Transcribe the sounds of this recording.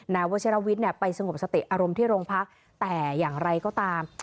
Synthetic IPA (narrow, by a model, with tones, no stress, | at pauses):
naː˧wo˦˥t͡ɕʰi˦˥ɾa˦˥wi˦˥t̪̚ni˥˩ɐpa˧jsa˧ŋo˨˩p̚sa˧t̪i˨˩ʔaː˧ɾo˧mt̪ʰiː˥˩ɾoː˧ŋpʰa˦˥k̚ | t̪ɛː˨˩jaː˨˩ŋɾa˧jkɔː˥˩t̪aː˧m